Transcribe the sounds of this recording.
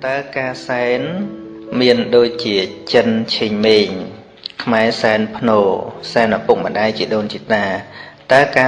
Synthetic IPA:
t̪aəkaːsaɛnmiənɗoːc̚t͡ɕiət͡ɕənt͡ɕʰeːɲmeːɲ | kʰmaɛsaɛnpʰnoːsaɛnʔapuk̚mənɗaɛjt͡ɕiəɗoːnt͡ɕiət̪aːt̪aəkaː

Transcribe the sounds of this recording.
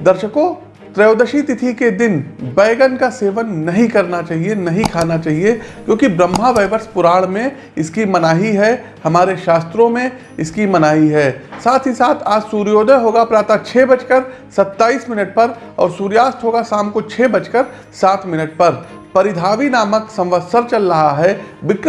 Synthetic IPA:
d̪ɐɾʃəkõː | t̪ɾɐjoːd̪əʃit̪ɪt̪ʰiked̪ɪnbɛːɡənkaseːʋənːɐɦĩkɐɾnat͡ʃaːɦienɐɦĩkʰaːnat͡ʃaːɦiekjõːkibɾɐ̃mːaʋeːʋəɾspʊɾaːɭmẽ | ɪskimɐnaːɦiɦɛ | hɐmaːɾeʃaːst̪ɾõmẽ | ɪskimɐnaːɦiɦɛːsaːt̪ʰɦisaːt̪ʰaːd͡ʒsuːɾjoːd̪ʱəɦoːɡapɾaːt̪at͡ʃʰɛːbɐt͡ʃkəɾ | sɐt̪ːaːiːsmɪnəʈ̚pɐɾ | ɔ̰ːɾsuːɾjaːst̪ɦoːɡasaːmkot͡ʃʰɛːbɐt͡ʃkəɾ | saːt̪ʰmɪnəʈ̚pɐɾ | pɐɾɪd̪ʱaːʋinaːməksɐ̃mʋəd̪səɾt͡ʃɐlɾɐɦaɦɛːʋɪk

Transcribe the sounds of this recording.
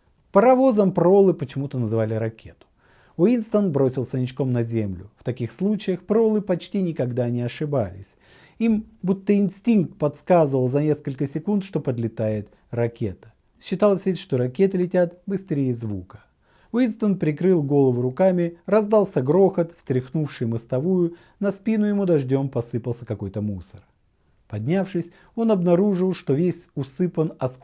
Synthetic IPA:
pəɾɐvo̞zəmpɾo̞lˠɨpət͡ɕɪmut̪ənəzɨvalʲɪɾɐkʲʰe̞t̪ʊ̥ | ʊinst̪ənbɾo̞sʲɪlˠsʲənʲɪt͡ɕko̞mnɐzʲemlʲʊ̰ft̪ɐkʲixslˠut͡ɕɪjəxpɾo̞lˠɨpɐt͡ɕtʲinʲɪkɐɡd̪anʲɪɐʂɨba̰lʲɪ̰sʲ | imbut̪ːəɪnsʲtʲink̚t̪̚pɐt̪skazɨvəlˠzɐnʲe̞skəlʲkəsʲɪkunt̪ʂt̪o̞pəd̪lʲɪt̪ajɪt̪ | rɐkʲʰe̞̰t̪ə̥ | ɕːɪt̪alˠəsʲvʲetʲʂt̪oɾɐkʲe̞t̪ɨlʲɪtʲat̪bɨst̪ɾʲejɪzvukə̥ | vist̪ənpɾʲɪkɾɨlˠɡo̞lˠəvʊɾʊkamʲɪrɐzd̪alˠsʲəɡɾo̞xət̪fsʲt̪ɾʲɪxnufʂɨjmɨst̪ɐvujʊ | nɐspʲinʊjɪmud̪ɐʐdʲo̞mpɐsɨpəlˠsʲəkɐko̞jt̪əmusər | pɐdʲnʲafʂɨsʲ | o̞nɐbnɐɾuʐɨlˠʂt̪o̞vʲesʲʊsɨpənɐs

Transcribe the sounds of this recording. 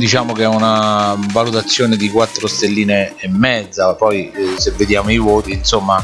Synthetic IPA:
d̪it͡ʃaːmokeɛunavalut̪at̪sːjoːned̪ikwat̪ːɾost̪elːiːneːmːɛd̪zːapɔjsevːed̪jaːmoivoːt̪insomːa

